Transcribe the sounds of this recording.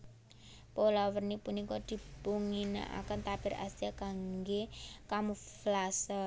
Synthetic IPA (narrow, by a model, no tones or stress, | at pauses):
polawərnipunikɔd̪̥i̤buŋina̰ʔa̰kənt̪ab̥ɪ̤ɾa̰st̪iakaŋɡekamuflasa